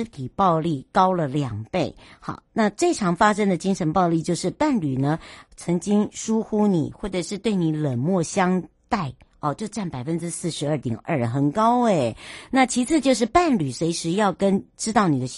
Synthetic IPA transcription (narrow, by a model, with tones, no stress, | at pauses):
t̪ʰi˨˩pɑ˥˧ʊli˥˩kɑ˥ʊlə˨ljɑ˨˩ŋpe˥˩ɪxɑ̰˨˩˦ʊna˥˧ʈ͡ʂɤ˥˩ʈ͡ʂʰɑ˧˥ŋfa˥ʂə˥ŋd̪ə˨t͡ɕi˥ŋʂə˧˥npɑ˥˧ʊli˥˧t͡ɕjo˥˧ʊʂɻ̩˥˩˧pa˥˩nly˨˩nə˦t͡sʰə˧˥ŋt͡ɕi˥ŋʂu˥xu˥nḭ˨˩xwɔ˥˩ʈ͡ʂə˨˩ʂɻ̩˥˧t̪we˥˩ɪni˧˥lə˨˩nmwɔ˥˩ɕjɑ˥ŋ | t̪a˥˩ɪɔ˥˧t͡ɕjo˥˧ʊʈ͡ʂa˥˩npa˨˩ɪfə˥nʈ͡ʂɻ̩˥sɹ̩˥˩ʂɻ̩˧˥ə˞˥˩t̪jɛ̰˨˩nʔə˞˥˩xə˨˩nkɑ˥ʊe˨˩ɪna˥˩t͡ɕʰi˧˥t͡sʰɹ̩˥˧t͡ɕjo˥˧ʊʂ̬ɻ̩˥˧pa˥˩nly˨˩swe˧˥ɪʂɻ̩˧˥jɑ˥˩ʊkə˥nʈ͡ʂɻ̩˥t̪ɑ˥˩ʊni˨˩d̪ə˦ɕ